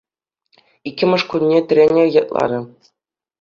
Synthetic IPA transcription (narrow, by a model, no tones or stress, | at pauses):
ikʲːɘ̆mɤ̆ʂkunʲːet̪ʲɘ̆rʲenʲĕjɑt̪̚lˠɑ̰ɾʲɤ̆